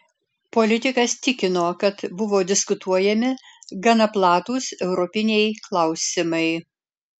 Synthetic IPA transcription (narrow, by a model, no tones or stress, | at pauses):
polʲɪt̪ʲɪkɐst̪ʲɪkʲɪnoːkɐt̪bʊʋoːd̪ʲɪskʊt̪uɔjɛmʲɪɡɐnɐplˠɑːt̪uːsɛʊɾɔpʲɪnʲɛjklˠɐʊsʲɪmɐɪ